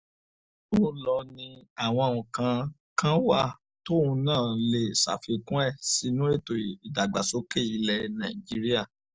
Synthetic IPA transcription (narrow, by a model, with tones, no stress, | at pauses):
o˦lɔ˧nĩ˧a˨w̃ɔ̃˧˨ũ˨kã˧ | kã˦wa˦˨ | to˦ũ˧˦nãː˦˨le˨sa̰˨fi˧kũ˦ɛ˦˨si˨˧˦nũ˦e˦˨to˨i˨da˨ɡ͡ba̰˨so˨˦ke˦˨i˧lɛ˨nã˨ĩ˨d͡ʒi˦ɾi˦a˦˨